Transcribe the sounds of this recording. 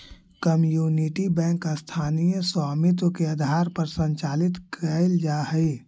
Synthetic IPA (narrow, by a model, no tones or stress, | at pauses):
kəmjuːniʈibɛ̃ːŋkast̪ʰaːnijəswaːmɪt̪̬wəkeəd̪ʱaːɾpəɾsə̃ɲt͡ʃaːlɪt̪kʰəɪld͡ʒaːɦəi